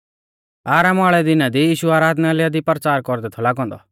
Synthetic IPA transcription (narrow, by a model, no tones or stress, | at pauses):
aːɾaːmaːɭɛd̪ɪnad̪ijiːʃuaːɾaːd̪nalɛjad̪ipəɾt͡saːɾkɔɾd̪ɛt̪ʰɔlaːɡɔ̃ːnd̪ɔ̰